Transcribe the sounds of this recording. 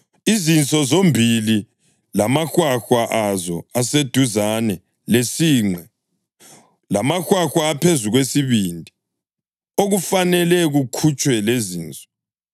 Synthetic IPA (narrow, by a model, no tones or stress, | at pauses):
izint͡sʼɔzombʱili | lamaxwaxwaʔazɔased̥ʱuzanɛ | lesiːŋ͡ǀʱɛ | lamaxwaxwaːpʰezuɣwesiβindʱi | oɣufanɛlɛɣukʰut͡ʃʼwɛleziːnt͡sʼɔ̥